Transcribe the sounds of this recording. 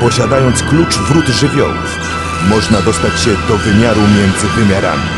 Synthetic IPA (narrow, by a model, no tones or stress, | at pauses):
pɔɕad̪ajɔnt̪sklut͡ʂvɾud̪ʐɘvʲjɔ̰wṵf | mɔʐnad̪ɔst̪at͡ɕɕɛd̪ɔvɘmʲjaɾumʲjɛnd̪zɘvɘmʲjaɾa̰mʲḭ